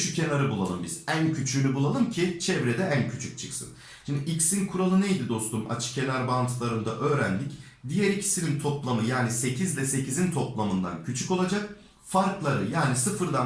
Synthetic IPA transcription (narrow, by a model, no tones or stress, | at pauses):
ʃycʰenaɾɯbulˠalˠɯmbizæncʰyt͡ʃʰylʲybulˠalˠɯmcʰit͡ʃʰɛvɾɛd̪ɛʔæncʰyt͡ʃʰyc̚t͡ʃʰɯ̥ksɯ̰n | ʃind̪iʔicsinkʰuɾalˠɯnejd̪id̪o̞st̪uma̰t͡ʃʰɯ̥cʰe̞naɾbant̪ʰɯlˠaɾɯnd̪aʔø̞ːɾænlʲic | d̪ijɛɾicʰi̥sinint̪ʰo̞plˠamɯjaːnise̞cʰizlɛse̞cʰizint̪ʰo̞plˠamɯnd̪a̰ncʰyt͡ʃʰyko̞lˠad͡ʒak̚ | faɾklˠaɾɯjaːnisɯfɯɾd̪an